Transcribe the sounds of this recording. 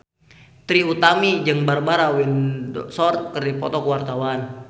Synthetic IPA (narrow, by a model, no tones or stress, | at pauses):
t̪ɾiut̪amid͡ʒɨŋbarbaɾawindsɔrt̪̚kərdipɔ̰t̪ɔkəwart̪awan